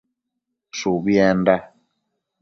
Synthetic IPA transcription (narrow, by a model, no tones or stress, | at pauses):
suβjɛnda